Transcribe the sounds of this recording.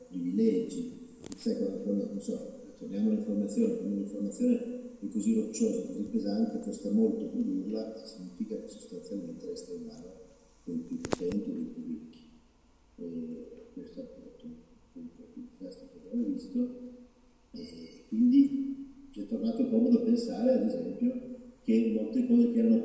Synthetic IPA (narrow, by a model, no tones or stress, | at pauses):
pɾibilɛd͡ʒːi | sakanafornanonsɔ | t̪ːornjaːmoaliɱformat̪sːjoːnekonaliɱformat̪sjoːneɛkːozirot͡ʃːoːzakozipːezant̪ekost̪amolt̪opod̪urlaʔesːiɲːiːfikakeso̥st̪ansjalment̪eɾɛst̪aimaːno | d̪elpjupːot̪ɛnt̪iod̪empjurikːi̥ | ɛkwest̪oapːat̪ːukenkotuikast̪okavjavovist̪o | ɛkːwind̪it͡ʃiɛt̪ːornaːt̪opɔbod̪apensaːɾead̪ezɛmpjok̟emolt̪ekɔːzek̟eɛɾnːo